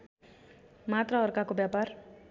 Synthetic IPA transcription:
mat̪ɾʌʌɾkakobjapaɾ

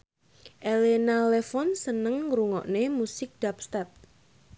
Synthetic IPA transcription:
ʔelenalefɔnsənəŋɾuŋɔ̰ʔnemusɪk̚d̥ap̚st̪ɛp̚

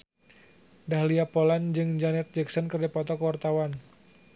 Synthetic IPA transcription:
dahliapoland͡ʒɨŋd͡ʒanɛt̪̚d͡ʒɛksɔnkərd͡ʒapɔt̪ɔkwart̪awan

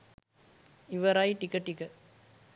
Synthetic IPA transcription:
ɪʋɐɾaːjʈɪkːɐʈːɪkːɐ

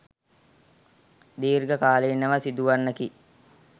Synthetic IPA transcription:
d̪iːɾɡəkaːleːnːəʋəsid̪uʋanːəki

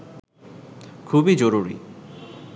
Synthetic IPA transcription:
kʰubid͡ʑoɾuɾḭ

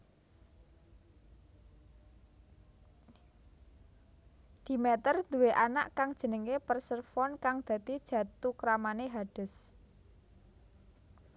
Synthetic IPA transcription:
d̪̥i̤mɛt̪ərnd̪uweʔana̰ʔkaŋd̥ʒ̥ə̤nəŋepərsərfɔnkaŋd̪̥ä̤d̪id̥ʒ̥ä̤t̪ukɾamaneɦaɖ̥ə̤s

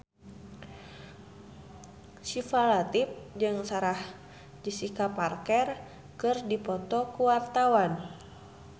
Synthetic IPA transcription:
sifalat̪ip̚d͡ʒɨŋsaɾah | d͡ʒisikaparkɛr | kɨrdipɔt̪ɔkuwart̪awan

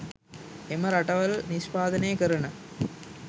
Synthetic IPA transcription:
emɐɾɐʈɐʋɐlniʃpaːd̪ɐnejəkəɾɐɳɐ

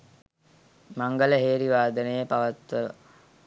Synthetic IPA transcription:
maŋɡələɦeːɾiʋaːd̪ənəjəpaʋət̪ʋəʋə̰

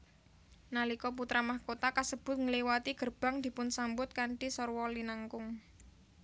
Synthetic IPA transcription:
nalikɔp̬ut̪ɾamahkot̪akasəb̥ʊ̤t̪̚ŋəliwat̪iɡ̥ərb̥a̤ŋd̪̥i̤pʊnsambʊt̪̚kaɳʈisɔrwɔlinaŋkʊŋ

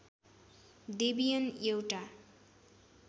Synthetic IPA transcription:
d̪ebijʌnjewʈa

